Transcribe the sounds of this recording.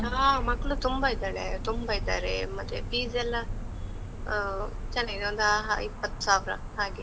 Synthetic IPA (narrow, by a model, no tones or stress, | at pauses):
aːmɐkːɐɭut̪umbɐid̪aːɭḛt̪umbɐid̪a̰ːɾḛmɐt̪ːepiːzɛlːɐ | t͡ʃɐnːaːɡid̪oːnd̪ɐɦa̰ipːɐt̪ːu̥saːʋɾɐ̰ | haːɡe